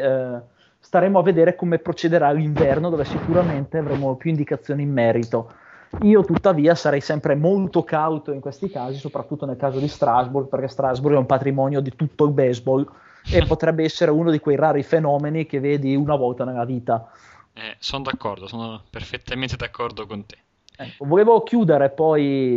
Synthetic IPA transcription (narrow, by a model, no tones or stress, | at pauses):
st̪aɾeːmoavːed̪eːɾekomepɾot͡ʃed̪eɾaːlːiɱvɛrnod̪oːvesikuɾament̪eavɾeːmopjuind̪ikat̪sːjoːniːmːɛːɾit̪o | iːot̪ut̪ːaviːasaɾɛjsɛmpɾemolt̪okawt̪oiŋkwest̪ikaːzisopɾat̪ːut̪ːonelkaːzod̪ist̪ɾazburɡ̚perk̟ɛst̪ɾazburɡɛumpat̪ɾimɔːnjod̪it̪ut̪ːoilbɛzbɔl | epːot̪ɾɛbːeɛsːeɾeunod̪ikwejraːɾifenɔːmenik̟evːeːd̪iunavɔlt̪anelːaviːt̪a | ɛsonod̪akːɔrd̪osoːnoperfet̪ːamẽnt̪ed̪akːɔrd̪okont̪e̥ | ɛkːovoleːvok̟juːd̪eɾepɔj